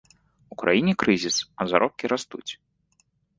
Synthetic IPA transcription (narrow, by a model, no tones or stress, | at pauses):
ukɾa̰jinʲikɾɨzʲisɐzaɾʔɔp̚kʲiɾast̪ṵt͡sʲ